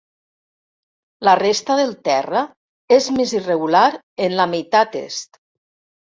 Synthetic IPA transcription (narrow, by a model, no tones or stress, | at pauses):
lərest̪əðelˠt̪ɛrə | ezmezireɣulaɾ | enlamejt̪at̪ḛst̪